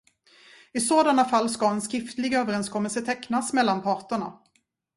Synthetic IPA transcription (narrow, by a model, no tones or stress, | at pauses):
ɪsoːd̪anafalːskaɛnskɾɪft̪lɪɡøːvəɾɛnskʰɔmːɛlsət̪ʰɛkːnasmɛlːanpʰɑːʈəɳa̰